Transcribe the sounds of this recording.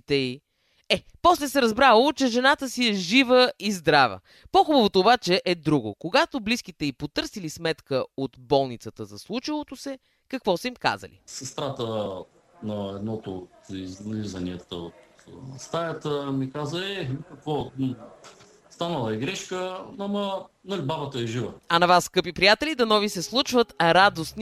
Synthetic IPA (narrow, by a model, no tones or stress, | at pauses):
t̪ɛi | ɛ | pɔslɛsɛɾɐzbɾalˠot͡ʃɛʒɛnat̪əsiɛʒivəizd̪ɾavə̰ | poxubəvot̪oːbat͡ʃɛʔɛd̪ɾuɡo̰koɡat̪oblisk̟it̪ɛipot̪ɤɾsilismɛt̪kəot̪bɔlˠnit̪sət̪əzɐslˠut͡ʃəlˠot̪osɛ | kɐkvɔsəimka̰zə̰lḭsəst̪ɾat̪ə | nɐɛd̪nɔt̪oːt̪izizɐniɛt̪əot̪st̪ajət̪əmikazəɛkɐkvɔ | st̪anɐlˠɐɛɡɾɛʃkəɐmɐ | nɐlʲbabət̪əɛʒivəɐnɐvasːkɤpipɾijat̪ɛlid̪ɐnɔvisɛslˠut͡ʃvət̪ɾad̪osn